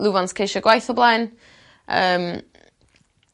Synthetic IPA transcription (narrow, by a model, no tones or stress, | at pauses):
lˠuvanskʰejʃɔɡwajθɔblˠɛːn | ə̰ːm